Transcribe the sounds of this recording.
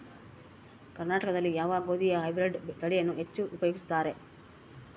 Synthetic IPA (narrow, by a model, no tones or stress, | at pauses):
kɐɾnaːʈɐkɐd̪ɐlːijaːʋaːɡo̞ːd̪ijɐɦɐjbɾeɖt̪ɐɽijɐnːuɦe̞t͡ʃːuʔupɐjoːɡist̪aːɾe̞